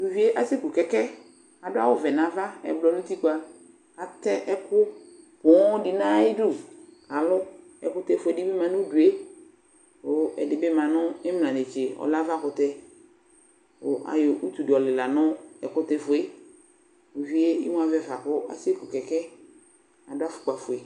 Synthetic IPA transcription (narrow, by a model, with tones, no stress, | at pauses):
du˨vi˦e˦ʔa˨se˦ku˨kɛ˨kɛ˦ | a˨dʊ˦a̰˦wʊ˨vɛ˨nã˨va˦ɛ̰˨blɔ˨nʊ̃˦t̪i˦ku˦a˦ | a˨t̪ɛ˦ʔɛ˦kʊ˦ | pʊ˨˦dɪ˨nã˦ɪ˦du˦ka˨lʊ˦ | ɛ̰˨kʊ˦t̪ɛ˦˨fʊ˨ɛ˨dɪ˦bɪ˦mã˨nʊ̃˦du˨e˦ | ʊ˨˦ɛ̰˨dɪ˨bɪ˦mã˨nʊ̃˦ɪ˦m˨lã˨ne˨t͡ʃe˨ɔ̰˨la˦va˦kʊ˨tɛ˦ | ʊ̰˨ʔa̰˨jʊ˨ʔu˦t̪u˨dɪ˨ɔ˨lɪ˨la˨nʊ̃˦ɛ˨kʊ˦tɛ˦fʊ˨e˦ | o˨vi˦e˦ɪ̰˦m̃˦a˨vɛ˨va˨kʊ˦a̰˨se˦ku˨kɛ˨kɛ˦ | a˨dʊ˦a˦fʊ̥˨k͡pa˨fʊ˨e˨